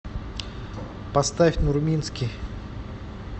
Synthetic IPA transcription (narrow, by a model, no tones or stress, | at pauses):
pɐst̪afʲnʊrmʲinskʲɪj